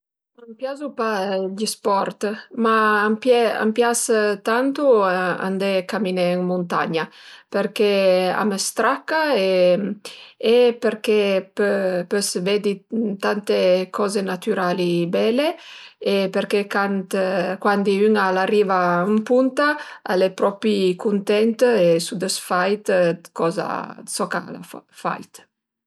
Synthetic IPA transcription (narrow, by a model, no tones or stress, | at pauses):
ampjazupaʎispɔɾt̪maːmpɛa̰mpjast̪ant̪ua̰nd̪ekamineŋmunt̪a̰ɲapeɾkea̰mest̪ɾakːae | epeɾkepøpøsved̪it̪ant̪ekʰɔzenat̪yɾalibɛleepeɾkekant̪kwand̪iyŋalarivaempunt̪aa̰lepɾɔpikunt̪ɛnt̪esud̪əsfajt̪kɔza̰sɔka̰la̰ffa̰jt̪